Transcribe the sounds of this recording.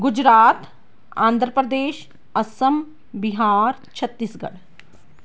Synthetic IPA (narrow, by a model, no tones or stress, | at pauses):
ɡʊd͡ʒɾaːt̪ | a̰ːnd̪ʱɾəpɾəd̪eːʃ | ɐsəm | biɦaːɾt͡ʃʰɐt̪ːiːsɡɐ̰ɽ